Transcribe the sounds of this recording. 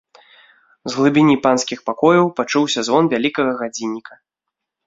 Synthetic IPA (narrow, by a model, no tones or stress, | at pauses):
zɣlˠɨbʲinʲipanskʲixpakɔjɐwpat͡ʂuwsʲɐzvɔnvʲalʲikɐɣɐɣad͡zʲinʲːikɐ